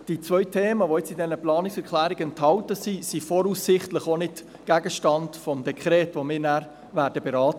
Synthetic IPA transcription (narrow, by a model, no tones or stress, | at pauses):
d̥it͡sʋœɥtʰeːməʋoɪt͡sɪdɛnəplɑːnɪksɛɾkʰlæːɾɪɡɛnthɑltəsisifɔɾusɪχtləχonɪt | ɡ̥æɡəʃtɑndfɔmd̪ɛkʰɾɛːtvomɪːɾnæɾ | væːɾdəbɛɾɑːtə